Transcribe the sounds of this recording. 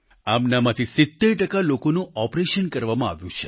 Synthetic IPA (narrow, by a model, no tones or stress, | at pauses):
amnamãt̪ʰisɪt̪ːeɾʈəkalokonũʔɔpɾeʃənkəɾʋamãa̰ʋjũt͡ʃʰe̥